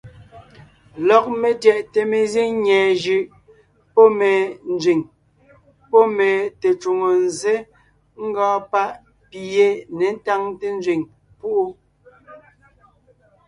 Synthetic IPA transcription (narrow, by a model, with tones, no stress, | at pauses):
lɔ˨k̚me˨tjɛ˨ʔte˨me˨ze˦ɲɛː˨d͡ʒʉ˨ʔ | pɔ˦me˨n̩˦d͡zɥi˨ŋ | pɔ˦me˨te˨t͡ʃu˨ŋo˨n˨ze˦ | ŋ̩˦ɡɔ̃ː˦pa˦ʔ | pi˨je˦ne˨˦n̩˦ta˦ŋte˦n˦d͡zɥi˨ŋ | pu˦ʔu˦